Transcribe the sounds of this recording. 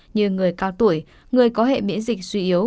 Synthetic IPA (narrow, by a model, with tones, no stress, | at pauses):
ɲɨ˧ŋɨ˨˩əjkaː˧wt̪u˧˩əj | ŋɨ˨˩əjkɔ˨˦ɦḛ˧˨mḭ˧˥ənzi˨˩k̟̚swi˧ʔi˨˦əw